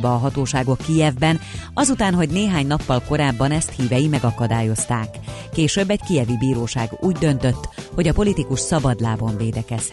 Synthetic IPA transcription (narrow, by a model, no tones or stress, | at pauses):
bɛːɦɒt̪oːʃaːɡo̞kːijɛvbɛnɒzut̪aːnɦo̞ɟneːɦaːɲnɒpːɒlko̞ɾaːbːɒnɛst̪hiːvɛjimɛɡɒkɒd̪aːjo̞st̪aːkːeːʃøbːɛɟkijɛvibiːɾoːʃaːɡuːɟd̪ø̞nt̪øt̪ːho̞ɟɒpo̞lit̪ikuʃsɒbɒd̪laːbo̞ɱveːd̪ɛkɛz̥h